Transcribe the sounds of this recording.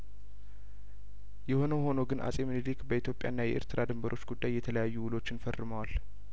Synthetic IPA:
jɛho̞nəho̞no̞ɡɨnʔa̰sʼemɨnd̪ikbəit̪jo̞pʼja̰ɨnːajɛʔḛɾt̪ʰɨɾad̪ɨmbəɾʔo̞t͡ʃːɡud̪ːajːɛt̪ʰələjajːuwʊlo̞t͡ʃːɪnfərːɨməwal

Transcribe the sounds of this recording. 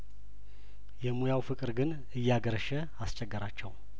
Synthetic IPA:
jɛmujawfɨkʼɨɾɡɨn | ɨjːaɡəɾəʃɛ | ast͡ʃʼɛɡːəɾat͡ʃːɛw

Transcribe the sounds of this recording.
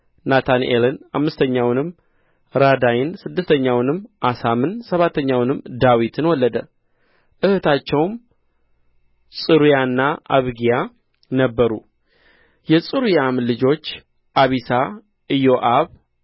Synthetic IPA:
nat̪ʰanʔḛləna̰mːɨst̪ʰəɲːawnɨmː | ɾad̪ajɪnsɨd̪ːɨst̪ʰəɲːawnɨmʔasamɨnsəβat̪ʰːəɲːawnɨmːd̪awit̪ʰɨnwɔlːəd̪ə | ʔɨhɨt̪ʰat͡ʃːɛwm | sʼɨɾujanːaʔa̰βɡija | nəbːəɾṵ | jɛsʼɨɾujamlɨd͡ʒo̞t͡ʃː | ʔaβisa | ʔɨjo̞ʔaβ

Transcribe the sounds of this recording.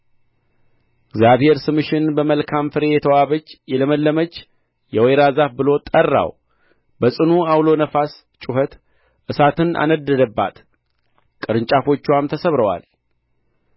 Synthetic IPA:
ɪɡzjaβhe̞ɾsɨmɨʃɪnbəməlkʰamfɨɾe̞jɛt̪ʰəwaβət͡ʃːjɛləməlːəmət͡ʃ | jɛwejɾazafbɨlo̞t̪ʼərːa̰w | bəsʼɨnuawlo̞nəfas | t͡ʃʼuhət̪ | ʔɨsat̪ʰɨnʔa̰nəd̪ːəd̪əbːa̰t̪ | kʼɨɾɨɲt͡ʃʼafo̞t͡ʃːuamt̪ʰəsəβɾəwa̰l

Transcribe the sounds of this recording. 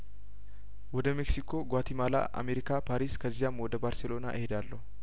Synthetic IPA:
wɔd̪ɐmɛksɪkʰoːɡaːt̪ɪmaːla̰ːʔɐ̰meɾɪkaːpaːɾiːskɐzːɪjaːmwɔd̪ɐbaːɾsɛlo̞ːna̰ːʔɛhɪd̪aːlːɐ

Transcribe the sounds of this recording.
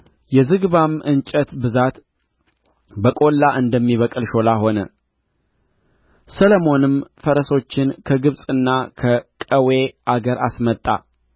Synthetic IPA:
jɛzɨɡβamʔɨnt͡ʃʼət̪bɨzat̪ | bəkʼo̞lːaʔɨnd̪əmːiβəkʼɨlʃo̞laɦo̞nə | sələmo̞nɨmfəɾəso̞t͡ʃːɪnkʰəɡɨβsʼɨnːakʰəkʼəwe̞ʔaɡəɾʔa̰smət̪ʼːa̰

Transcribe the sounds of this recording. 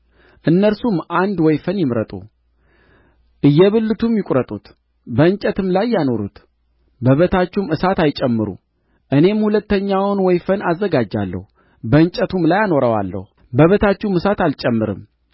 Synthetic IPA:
ʔɨnːəɾsumʔand̪wɔjfənjɪmɾət̪ʼṵ | ʔɨjːɛβɨlːɨt̪ʰumjɪkʷʼɾət̪ʼṵt̪ | bəɨɲt͡ʃʼət̪ɨmlajːano̞ɾut̪ | bəβət̪ʰat͡ʃːumɨsat̪ajt͡ʃʼɛmːɨɾṵ | ʔɨne̞mhulət̪ːəɲːawnwɔjfənazːəɡad͡ʒːa̰lːə̰hu | bəɨɲt͡ʃʼət̪ʰumlajano̞ɾəwa̰lːə̰hu | bəβət̪ʰat͡ʃːuumɨsat̪alt͡ʃʼɛmːɨɾɨ̰m

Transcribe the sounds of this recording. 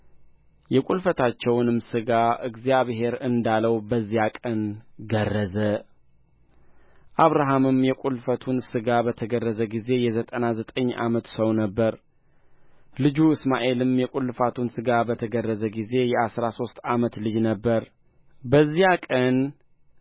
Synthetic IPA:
jɛkʷʼulfət̪ʰat͡ʃːɛwnɨmsɨɡaʔɨɡzijaβɦe̞ɾɨnd̪aləwbəzːijakʼənɡərːəzə | ʔaβɾaɦamɨmjɛkʷʼulfət̪ʰunsɨɡabət̪ʰəɡərːəzəɡize̞jɛzət̪ʼənazət̪ʼəɲːʔa̰mət̪səwnəbːəɾ | lɨd͡ʒuɨsmaʔe̞lɨmjɛkʷʼulːfat̪ʰunsɨɡabət̪ʰəɡərːəzəɡize̞jɛasɾaso̞st̪ʼamət̪lɨd͡ʒnəbːəɾ | bəzːijakʼən

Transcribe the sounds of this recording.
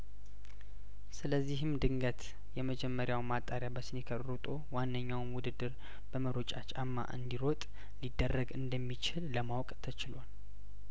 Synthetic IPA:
sɨləzːiɦɨmd̪ɨŋɡət̪ | jɛməd͡ʒɛmːəɾjawmat̪ʼːaɾjabəsɨnekʰəɾʼɾut̪ʼowanːəɲːawmwʊd̪ɨd̪ːɨɾ | b̥əməɾot͡ʃʼat͡ʃʼamːa̰ʔɨ̰nd̪iɾot̪ʼ | lid̪ːərːəɡɨnd̪əmːit͡ʃɪlːəmawkʼt̪ʰət͡ʃɪlal

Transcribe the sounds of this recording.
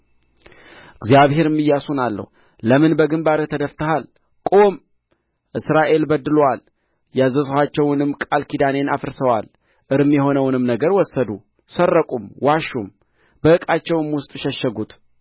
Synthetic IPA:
ɨɡzijaβhe̞ɾɨmːɨjːasunalːə̰h | ləmɨnbəɡɨmbaɾət̪ʰəd̪əft̪əhal | kʼo̞m | ʔɨsɾaʔe̞lbəd̪ːɨlwal | jazəshat͡ʃːɛwnɨmːkʼalkʰid̪ane̞nafɨɾsəwal | ʔɨɾmjɛɦo̞nəwnɨmnəɡəɾwɔsːəd̪u | sərːəkʼumwaʃum | bəɨkʼat͡ʃːɛwɨmwʊst̪ʼʃɛʃːəɡut̪

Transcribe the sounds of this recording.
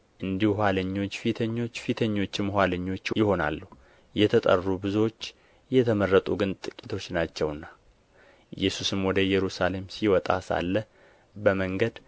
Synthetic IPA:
ʔɨnd̪ihuhʷaləɲːo̞t͡ʃːfit̪ʰəɲːo̞t͡ʃːfit̪ʰəɲːo̞t͡ʃːɪmhʷaləɲːo̞t͡ʃːjɪho̞na̰lːuhu | jɛt̪ʰət̪ʼə̰rːubɨzot͡ʃː | jɛt̪ʰəmərːət̪ʼuɡɨnt̪ʼɨkʼit̪ʰo̞t͡ʃːnat͡ʃːɛwɨnːa | jɛsusɨmwɔd̪əjɛɾusale̞msiwɔt̪ʼa̰sa̰lːə | bəməŋɡəd̪

